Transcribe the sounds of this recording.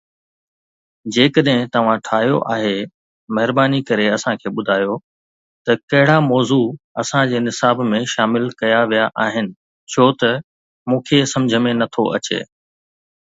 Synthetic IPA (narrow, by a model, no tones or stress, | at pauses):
d͡ʑeːkəɗɦɪ̃t̪ɐʋ̤ãʈʰaːɦjoʔaːɦe | mɐɦɪɾbaːnikɐɾeɐsãkʰeːɓʊd̪ʱaːjo | t̪ɐkɐɦɪɽamɔːzuɐsãd͡ʑeːnɪsaːbmẽʃaːmɪlkɐjaʋijaʔaːɦɪnɪ̆ | t͡ɕʰoːt̪ɐ | mũːkʰesɐ̃md͡ʑʱəmẽnɐt̪ʰoʔɐ̰t͡ɕḛː